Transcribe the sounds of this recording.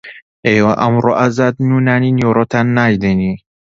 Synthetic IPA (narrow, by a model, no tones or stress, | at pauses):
ewaʔɐmɾoːʔazaːd̪nunaːninoɾot̪ʰanːaːjd̪ɛni